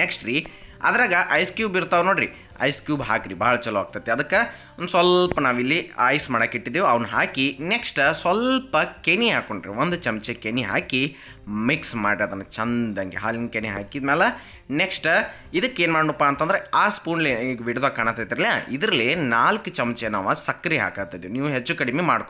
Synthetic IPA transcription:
neksʈɾiɐ̰d̪ɾaːɡɐʔɐjskjuːbiɾt̪aːʋnoːɽɾḭ | ɐ̰jskjuːbɦaːkɾibɐːɐɭɐt͡ʃɐlɐʋaːɡ̚t̪ɐt̪ːeɐd̪ɐkːɐ | ond̪usʋɐlpɐnaːʋilːiɐjsmaːɽakiʈːid̪eːʋɐʋɐnɦaːkineksʈsʋɐlpɐkeɳiɦaːkoɳɖɾḭʋond̪ut͡ʃɐmt͡ʃekeɳiɦa̰ːki | miksmaːɖɐd̪ɐnːɐt͡ʃɐnd̪ɐŋɡeɦaːliŋɡkeniɦa̰ːkiːd̪mɛːlɐ | neksʈ | id̪ɐkːeːnmaːɽɳupːaːɐnt̪ɐnd̪ɐɾeaːspuːnleiɡʋiɽd̪aːkːaːɳɐt̪ːajt̪iɾɐlijaid̪ɐɾɐlːinaːlkɐt͡ʃɐmt͡ʃenaːʋasɐkːɐɾiɦa̰ːkaːɡt̪ɐjd̪eniːʋuɦet͡ʃːukɐɽimemaːɽko

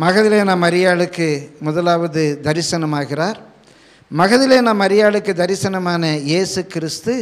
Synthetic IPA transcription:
mɐɣɐðɪleːnaːmːɐɾɪjaːɭɯkːɯmʊðɐlaːʋɐðɯd̪ɐɾɪsɐnɐmaːɣɪraːɾ | mɐɣɐðɪleːnaːmːɐɾɪjaːɭɯkːɯd̪ɐɾɪsɐnɐmaːnɐjeːsɯkɪɾɪst̪ɯ

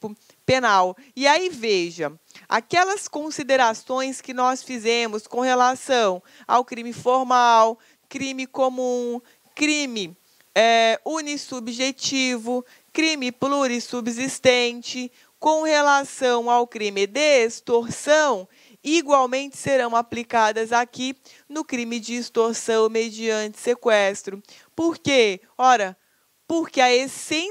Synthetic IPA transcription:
pʊ | penaw | iaiveʒɐ | a̰kɛlɐskõsid̪eɾasõj̃skɪnɔsfizẽmʊskõhelasɐ̃w̃ | a̰wkɾĩmɪfoɾmaw | kɾĩmɪkomũ | kɾĩmɪ | ɛunisubʒet͡ʃivʊ | kɾĩmɪpluɾisubzist̪ẽt͡ʃɪ | kõw̃helasɐ̃w̃awkɾĩmɪd̪eest̪oɾsɐ̃w̃ | iɡwawmẽnt͡ʃɪ̥seɾɐ̃w̃aplikad̪ɐzaki | nʊkɾĩmɪd͡ʒɪːst̪oɾsɐ̃w̃med͡ʒiɐ̃nt͡ʃɪ̥sekwɛst̪ɾʊ | poɾke | ɔɾɐ | poɾkeɐesẽ

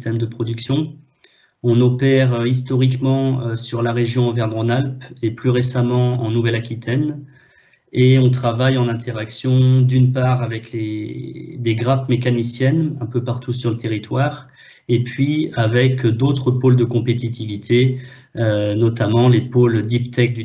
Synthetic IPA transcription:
st̪ɛmd̪əpχɔd̪yksjɔ̃ | ɔ̃nɔpɛʁøis̬t̪ɔʁikmɑ̃øsyʁlaʁeʒjɔ̃ɑ̃vɛʁmʁɔ̃nalpeplyʁesamɑ̃ɑ̰̃nuvɛlakʲit̪ʰɛn | eɔ̃t̪χavajɑ̃nɛ̃t̪ʰeʁaksjɔ̃d̪ynpaʁavɛkle | d̪eɡʁapmek̬anisjɛnɛ̃pøpaʁt̪ʰus̬yʁlət̪eʁit̪waːʁ | epɥiavɛkd̪ot̪χəpold̪əkɔ̃pet̪it̪ivit̪ʰe | ønɔt̪amɑ̃lepold̪ipt̪ɛk̚d̪y

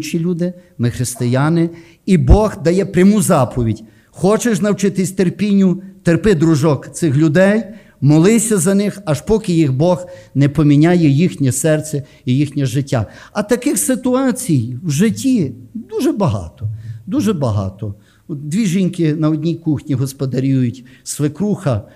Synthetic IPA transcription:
t͡ʃilʲud̪ɪmɪxɾɪst̪ɪjanɪ | ibɔɣd̪ɐjɛpɾʲɐmuzɑpʰɔʋʲidʲ | xɔt͡ʃeʃnɐwt͡ʃɪt̪ɪsʲt̪erpʲinʲːʊt̪erpɪd̪ɾʊʒɔkt̪sɪxlʲʊd̪ɛj | mɔlˠɪsʲɐzɐnɪxɐʃpɔkɪjiɣbɔɣnɛpɔmʲinʲajɛjixnʲɛsɛrt̪sʲɛ | ijixnʲɛʒɪtʲːa̰ɐt̪ɐkɪxsɪt̪ʊɑt͡sʲijwʒɪtʲʰːid̪uʒɛbɐɦɑ̰t̪ɔd̪uʒɛbɐɦɑ̰t̪ɔ | ɔd̪ʲʋʲiʒinʲkɪnɐɔdʲnʲijkuxnʲiɦɔspɔd̪ɐɾʲujʊtʲsʋɪkɾuxɐ

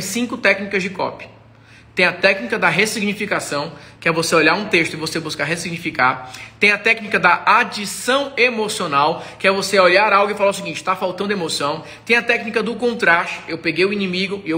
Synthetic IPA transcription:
sĩkʊt̪ɛknikɐzd͡ʒɪkɔ̰pɪ̥ | t̪ẽj̃ɐt̪ɛknikɐd̪ɐɦesiɡnifikasɐ̃w̃kɪɛvoseoʎaɾũt̪eʃt̪ʊɪvosebuskaɦesiɡnifikaɾt̪ẽj̃ɐt̪ɛknikɐd̪ɐʔad͡ʒisɐ̃w̃emosionawkɪɛvoseoʎaɾawɡʊɪfalaʊs̬iɡĩnt͡ʃɪ̥t̪afawt̪ɐ̃nd̪ʊemosɐ̃w̃ | t̪ẽj̃ɐt̪ɛknikɐd̪ʊkõnt̪ɾaʃt͡ʃʊ̥ewpeɡejʊĩnĩmiɡʊɪew

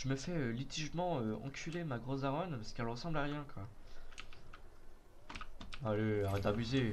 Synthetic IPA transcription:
ʒəməfɛølit̪ʰiʒmɑ̃øɑ̰̃kʲʰylemaɡʁozaʁɔnpasə̥kɛlʁəsɑ̃blaʁjɛ̃kwa | aleaɛd̪abyze

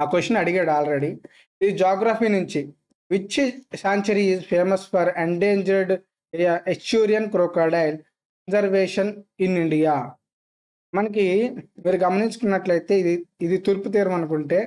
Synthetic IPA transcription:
aːkosɐnɐɽiɡeːɽaːlɾeɽi | id̪id͡ʒaːɡɾaːpʰiːnuɲt͡ʃi | ʋit͡ʃːisaːɲt͡ʃɐɾiːzpʰeːmɐspɐɾeɳɖeːɲd͡ʒɐɾɖ | ekt͡ʃuːɾijɐnkɾoːkɐːɽɐjl | kɐnd͡ʒɐɾʋeːʂɐniniɳɖijaː | mɐnɐk̬imiːɾuɡɐmɐniɲt͡ʃu̥kunːɐʈlɐjit̪e̞ːid̪iid̪it̪uːɾput̪̬iːɾɐmɐnukuɳʈe̞ː

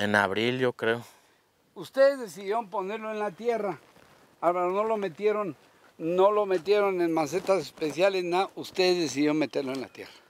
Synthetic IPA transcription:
ena̰βɾilʝokɾeo | ust̪eðezðesiðjeomponeɾloenlat̪jera | alβaɾonolo̞met̪jeɾonː | olomet̪̬jeɾonenmaset̪asespesjalesnaust̪eðezðes̬iðjeonmet̪eɾloenla̰t̪jḛra

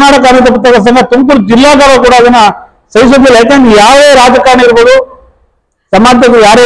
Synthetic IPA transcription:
naːʈɐk̬ɐnut̪̬ɐp̬ːɐt̪ːɐɡɐs̬ɐŋɡɐt̪umkuɾd͡ʒilːaːɡaːbɐkuːɽɐːd̪ɐnːɐ | sɐjs̬ɐb̪ilɐjak̬eːnd̪jaːʋeːɾaːd͡ʒɐkaːnɐiɾbɐːd̪u | sɐmaːd̪ɐɡɐjaːɾe

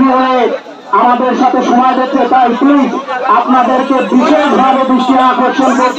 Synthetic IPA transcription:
biɦoe | amad̪eɾʃat̪ʰeʃɔmajd̪eet̪ajplid͡ʑapnad̪eɾkebiʃeʃbʱabebɾiʃʈiakoɾt͡ɕʰenkoɾ

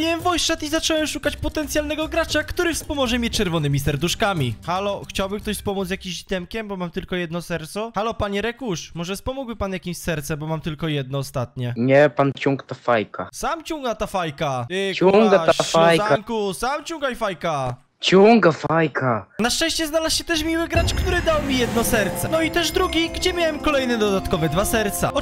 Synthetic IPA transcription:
iwɛmvɔjst͡ʂat̪izat͡ʂɔwɛmʂukat͡ɕpɔt̪ɛnt̪sjalnɛɡɔɡɾat͡ʂakt̪uɾɘfspɔmɔʐɛmʲjet͡ɕt͡ʂɛɾvɔnɘmʲisɛɾd̪uʂkamʲixalɔxt͡ɕawbɘmkt̪ɔɕspɔmut̪jakʲimʑit̪ɛmkʲɛmbɔmamt̪ɘlkɔjɛd̪nɔsɛɾt̪sɔxalɔpaɲɛɾɛkuʂmɔʐɛspɔmuɡbɘpanjakʲimɕsɛɾt̪sɛbɔmamt̪ɘlkɔjɛd̪̚nɔːst̪at̪̚ɲɛɲɛpant͡ɕuŋkt̪afajkasamt͡ɕuŋɡat̪afajkauŋɡafaj̪aaŋkusamt͡ɕuŋɡaifajka | t͡ɕuŋɡafajkʰanaʂt͡ʂɛ̃ɕt͡ɕɛznalasɕɛt̪ɛʂmʲiwɘɡɾat͡ʂkt̪uɾɘd̪awmʲijɛd̪nɔsɛɾt̪sɛnɔit̪ɛʐd̪ɾuɡʲiɡd͡ʑɛmʲjawɛmkɔlɛjnɛd̪ɔd̪at̪kɔvɛd̪vasɛɾt̪sa̰ɔ

